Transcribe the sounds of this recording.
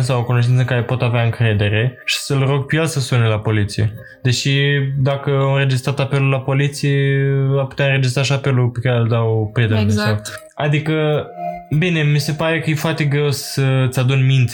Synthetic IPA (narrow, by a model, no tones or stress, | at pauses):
sawokunoʃt̪int̪səŋkaɾe̞po̞t̪aveaɨŋkɾe̞d̪e̞ɾe̞ʃi̥səlro̞ɡ̚pjelsəsunelapo̞lit̪sije̞̰ | d̪e̞ʃid̪akəamɨ̃ɾe̞d͡ʒist̪ɾat̪ape̞lulapo̞lit̪sijevapu̥t̪eaɨnɾe̞d͡ʒis̬t̪ɾaʃiape̞lupe̞kaɾeld̪awpɾed̪ed̪isot̪ | ad̪ikə | bine̞mise̞paɾe̞kəje̞foart̪e̞ɡɾe̞wsət̪sʲad̪unʲmint̪ʲ